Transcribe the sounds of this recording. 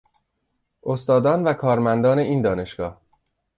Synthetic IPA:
ʔost̪ɒːd̪ɒːnvækʰɒːɾmænd̪ɒːne̞ʔiːnd̪ɒːne̞ʃɡ̥ɒːh

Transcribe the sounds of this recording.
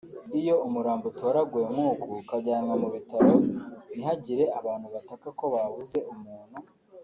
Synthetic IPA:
ijo̞umuɾaːmbutoɾaɡujemŋuːkukaɟaːŋɡamuβitaɾoniɦaɟiɾe̞aβaːnhuβatakako̞βaβuze̞umuːn̥hu

